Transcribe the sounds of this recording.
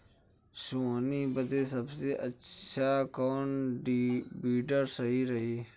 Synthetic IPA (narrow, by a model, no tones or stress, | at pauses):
suːniːbəd̪eːsəbseːʔət͡ʃʰaːkoːnɖbiːɖəɾsɐɦiːɾɐɦiː